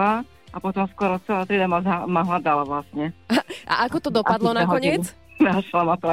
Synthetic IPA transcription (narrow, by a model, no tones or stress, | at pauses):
a | apɔt̪ɔmskʊɔɾɔt͡sɛlat̪ɾid̪amazamaɦlad̪alaʋlast̪ɲɛʔa̰ʔakɔt̪ɔd̪ɔpad̪lɔnaɦkɔɲɪɛt͡s | naʃlamat̪ɔa